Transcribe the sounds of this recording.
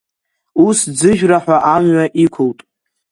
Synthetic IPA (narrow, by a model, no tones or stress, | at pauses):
usd͡zɨʒᶣraħʷaʔamɥaʔikʷʰʊltʼ